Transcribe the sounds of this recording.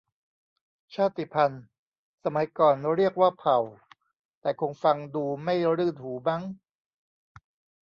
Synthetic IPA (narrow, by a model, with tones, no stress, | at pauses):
t͡ɕʰaː˥˩t̪ːi˨˩pʰa˧n | sa˧ma˨˩˦jkɔː˨˩nɾi˥˩ək̚waː˥˩pʰa˨˩w | t̪ɛː˨˩kʰo˧ŋfa˧ŋduː˧ma˥˩jɾɯː˥˩nhuː˩˦ba˦˥˩ŋ